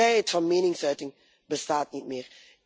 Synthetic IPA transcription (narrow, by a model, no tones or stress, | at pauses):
ɛjɛtfɑnmeːnɪŋsœɥtɪŋ | bəstaːt̚nit̚mɪːr